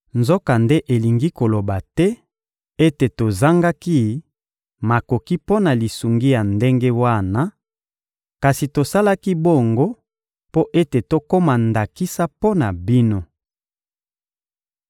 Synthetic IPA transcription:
nzo˦ka˨nde˦ʔe˨li˨ŋɡi˦ko˨lo˨ba˨tɛ˦ | e˦te˨to˨za˦ŋɡa˦ki˦ | ma˨ko˨ki˦po˦na˨li˨su˨ŋɡi˦ja˨nde˦ŋɡe˦wa˦˨na˦ | ka˨si˨to˨sa˦la˦ki˦bo˦˨ŋɡo˦ | po˦ʔe˦te˨to˦ko˦ma˨nda˨ki˦sa˦po˦na˨bi˦no˦

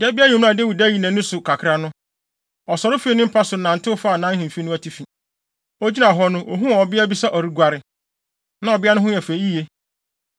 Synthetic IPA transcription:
dɪ˨ɛ˦bɪ˦a˦ɲʊ̃˨m̃˦ã˨de˦wi˨dæ˦˨i˨nã˨nʊ̃˦sʊ˨kʰa˨kʰɾa˨nʊ̃˦ | ɔ˨sɔ˨ɾɪ˦fi˦e˦nʊ̃˦m̩˦pʰa˦sʊ˨nã˨n̩˨tʰɪ˦ʊ˦fa˦˨nã˦hĩ˨m˨fe˦nʊ̃˦æ˦˨tʰi˦fĩ˨ | o˦d͡ʑi˦nã˨ɦɔ˦nʊ̃˦ʔo˨ɦũ˦˨ɔ˨bɪ˦æ˦bi˦sɛ˦ʔɔ˨ɾi˦ɡʷa˨ɾɪ˨ | nã˦ɔ˨bɪ˦a˦nʊ̃˦ɦʊ̃˦jɛ˨fe˨˦i˦je˦

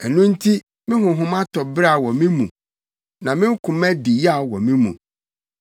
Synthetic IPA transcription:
ɛ˨nʊ̃˦n˦tʰi˦ | mɪ̃˦ɦʊ̃˨ɦʊ̃˦mã˦tʰɔ˨bɾa˦˨wɔ˨mɪ̃˦mũ˨ | nã˨mɪ̃˦ŋ̩˦kʰʊ̃˨mɛ̃˦di˨ja˦˨wɔ˨mĩ˦mṵ̃˨

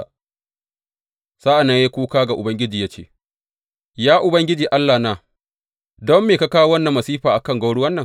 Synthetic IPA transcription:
saː˦ʔa˨na˦ja˦kʷuː˦kaː˦ɡa˨ʔʊ˨bɐ˦ŋɡʲɪ˦d͡ʒiː˨ja˦t͡ʃḛː˦˨ | jaː˦ʔʊ˨bɐ˦ŋɡʲɪ˦d͡ʒiː˨ʔa˦lːaː˨naː˦˨ | dɔ˦mːeː˨ka˦kaː˦wa˦wɐ˦nːɐ˨mːɐ˨siː˦ɸaː˨ʔa˨kɐ˦˨ŋɡa˦ɽu˦wɐ˦nːɐ˨ŋ

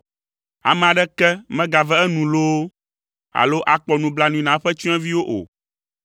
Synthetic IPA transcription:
a̰˨mɛ̃˨a˨ɖɛ˦kɛ˦mɛ̃˦ɡa˨vɛ˦ɛ˦nũ˨lo˦o˦ | a̰˨lo˦ʔa˨k͡pɔ˨nũ˨bla˦nũ˨ĩ˨nã˨˦ɸɛ˦t͡ʃɔ̃˦ɛ̃˦vi˦wo˦ʔo̰˨

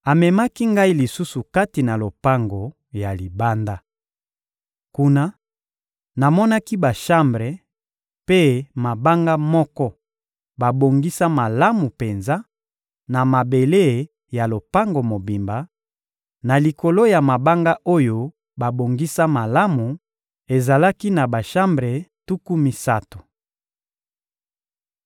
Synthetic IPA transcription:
a˨mɛ˨ma˦ki˦ŋɡa˦i˦li˨su˦su˨ka˦ti˨na˨lo˨pa˦ŋɡo˨ | ja˨li˨ba˦nda˦ | ku˦na˦ | na˨mɔ˦na˦ki˦ba˨ʃa˦mbʁe˨ | pe˦ma˨ba˦ŋɡa˦mɔ˦kɔ˦ | ba˨bo˨ŋɡi˦sa˦ma˨la˦mu˨pe˨nza˦ | na˨ma˨be˨le˦˨ | ja˨lo˨pa˦ŋɡo˨mo˨bi˨mba˨˦ | na˨li˨ko˨lo˦ja˨ma˨ba˦ŋɡa˦ʔo˦jo˦ | ba˨bo˨ŋɡi˦sa˦ma˨la˦mu˨ | e˨za˨la˦ki˦na˨ba˨ʃa˦mbʁe˨tu˦ku˦mi˦sa̰˦to̥˨

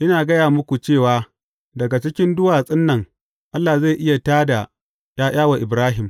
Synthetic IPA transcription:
ʔɪ˦naː˨ɡɐ˦jaː˨mʊ˦kʷu˨t͡ʃeː˦˨waː˨˦ | dɐ˨ɡa˨t͡ʃɪ˦kʲɪ˦ndʊ˦waː˨sʼɪ˦nːɐ˨ŋ | ʔa˦lːa˨za˦˨ʔɪ˦ja˨taː˦da˨ | jaː˦j̰aː˦wa˨ʔɪ˨bɾaː˦ɦɪ˨m

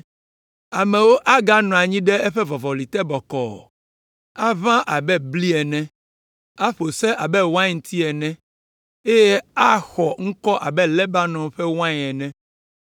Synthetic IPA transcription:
a˨mɛ̃˨wo˦ʔa˦ɡa˦nɔ̃˨a˨ɲĩ˦ɖɛ˦ɛ˦ɸɛ˦vɔ˨vɔ˨li˨t̪ɛ˦bɔ˨kɔ̰˨ | a˦vã˦ʔa˨bɛ˦bli˦ɛ˨nɛ̃˦ | a˦ɸo˨sɛ˦ʔa˨bɛ˦wã˦ŋ˨˦t̪ʰi˦ɛ˨nɛ̃˦ | e˦jɛ˦a˦xɔ˨ŋ̩˦kɔ˦ʔa˨bɛ˦lɛ˦ba˦nɔ̃˨ɸɛ˦wã˦ɲ˨ɛ˨nɛ̃˦

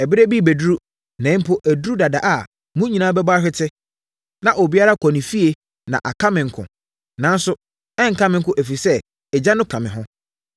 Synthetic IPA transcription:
ɛ˨bɪ˦ɾæ˦bi˦˨bæ˨du˦ɾu˦ | nɛ̃˨˦m̩˦pʰʊ˦ʔæ˨du˦ɾu˦da˨da˨ʔa˨ | mũ˦ɲĩ˨nãː˦bɛ˦ba˦ɕᶣɪ˦tʰɪ˦ | nã˨ʔo˨bi˦a˦ɾa˦kʰɔ˨nĩ˨fi˦e˨ | nã˨ʔa˨kʰa˦mɪ̃˨ŋ̩˨˦kʰʊ̰̃˨ | nã˨˦n˦sʊ˦ | ɛ̃˦ŋ̩˨kʰã˦mɪ̃˨ŋ̩˦kʊ̃˦ʔæ˨fi˨sɛ˦ | ɛ˨d͡ʑa˦nʊ̃˦kʰã˨mɪ̃˨ɦʊ̃˦

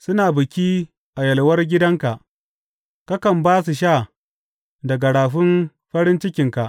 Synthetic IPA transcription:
sʊ˦naː˨bʊ˨kʲiː˦ | ʔa˨jɐ˨lwɐ˦rɡʲɪ˦dɐ˦ŋka˨ʔ | kɐ˦kɐ˨mbaː˦s̬u˨ʃ̬aː˦˨ | dɐ˨ɡa˨ɽaː˨ɸɪ˦m | ɸɐ˦ɽɪ˦nt͡ʃɪ˦kʲɪ˨ŋka˨ʔ

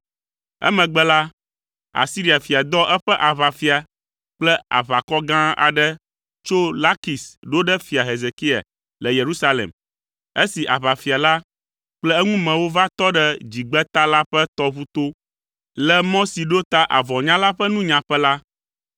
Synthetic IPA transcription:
ɛ̰˦mɛ̃˨ɡ͡bɛ˦la˦ | a̰˨si˦ɾi˦˨a˨fi˨a˨d̪ɔ˦ʔɛ˦ɸɛ˦ʔa˨βa˨fi˦a˨ | k͡plɛ˦a̰˨βa˨kɔ˦ɡã˦a̰˨ɖɛ˦ | t͡ʃo˦la˦ki˨sɖo˦ɖɛ˦fi˨a˨ɦe˨ze˨ki˦a̰˨ | lɛ˨je˨ɾu˦sa˦lḛ˨m | e˦si˨ʔa˨βa˨fi˨a˨la˦ | k͡plɛ˦ɛ˦ŋũ˦mɛ̃˨wo˦va˦t̪ɔ˦ɖɛ˦d͡ʑi˨ɡ͡bɛ˦t̪a˦la˦ɸɛ˦t̪ɔ˦βu˦t̪o˦ | lɛ˦mɔ̃˦si˨ɖo˦t̪a˦ʔa˨vɔ˨ɲã˦la˦ɸɛ˦nũ˦ɲã˨ɸɛ˦la˦

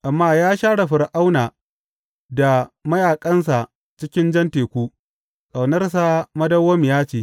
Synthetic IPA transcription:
ʔa˨mːaː˦jaː˦ʃaː˦ɽa˨ɸɪ˨ɾʔa˦wnaː˨ | da˨mɐ˦jaː˨kʼɐ˦nsa˨ | t͡ʃɪ˦kʲɪ˦nd͡ʒɐ˦nteː˨kʷu˦ | sʼa˨wnɐ˦rs̬a˨mɐ˦dɐ˦wɐ˦m˨jaː˦t͡ʃeː˨

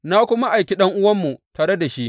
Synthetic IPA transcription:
na˦kʷʊ˦ma˦ʔa˨jkʲi˦ɗɐ˦ŋʔʊ˦wɐ˦mːu˨taː˨ɾe˦da˨ʃi˦ʔ

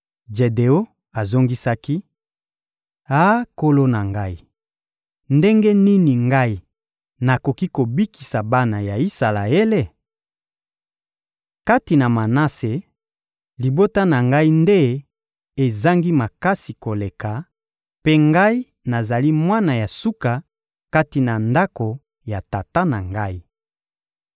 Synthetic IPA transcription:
d͡ʒe˨de˨o˦ | a˨zo˦ŋɡi˦sa˦ki˦ | a˦ko˦lo˦na˨ŋɡa˦i˦ | nde˦ŋɡe˦ni˦ni˨ŋɡa˦i˦ | na˨ko˨ki˦ko˨bi˦ki̥˨sa˨ba˦na˨ja˨i˦sa˨la̰˨e˦le˦ | ka˦ti˨na˨ma˨na˦se˨ | li˨bo˦ta˦na˨ŋɡa˦i˦nde˦ | e˨za˦ŋɡi˦ma˨ka˦si˨ko˨le˨ka˨ | pe˦ŋɡa˦i˦ | na˨za˨li˦mwa˦na˨ja˨su˦ka˨ | ka˦ti˨na˨nda˦ko˨ | ja˨ta˨ta˦na˨ŋɡa˦i˦

